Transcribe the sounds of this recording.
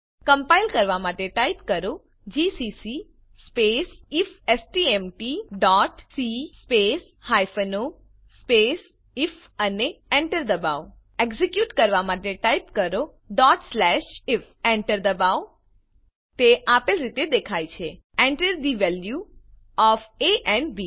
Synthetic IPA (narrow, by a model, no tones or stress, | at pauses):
kəmpailkəɾʋamaʈeʈaipkəɾo | d͡ʒisisi | spesifesʈiemʈiɖɔʈsispes | hajfəno | spes | if | əneɛ̃ɳʈəɾd̪əbaʋ | eɡzikjuʈkəɾʋamaʈeʈaipkəɾo | ɖɔʈslɛʃɪf | eɳʈəɾd̪əbaw | t̪eʔapəlɾit̪ed̪ekʰajt͡ʃʰe | ẽɳʈəɾd̪iʋɛlju | ɔfeʔɛɳɖbi